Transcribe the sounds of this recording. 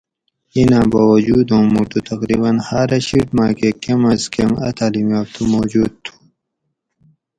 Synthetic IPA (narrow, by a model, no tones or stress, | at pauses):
inãːbawɐd͡ʑuːd̪õːmuʈut̪ɐqɾiːbɐnhaːɾɐɕiʈmaːkekemɐzkemɐ̰t̪ʰaːlimjaːb̚t̪ʰumoːd͡ʑuːd̪̚t̪ʰu̥